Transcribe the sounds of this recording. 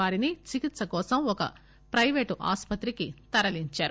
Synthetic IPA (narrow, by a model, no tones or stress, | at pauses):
aːɾinit͡ʃikit̪sɐkɔːsɐmɔkɐ̰ | pɾɐjʋeːʈʔa̰ːspɐt̪ɾikit̪ɐɾɐliɲt͡ʃaːɾu